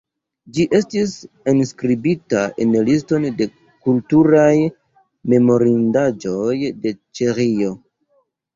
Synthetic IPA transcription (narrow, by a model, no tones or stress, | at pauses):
d͡ʒiʔe̞stis | enskɾibitaʔe̞nlis̬to̞nde̞ | kultuɾaj | me̞mo̞ɾindad͡ʒo̞jde̞t͡ʃeɾijo̞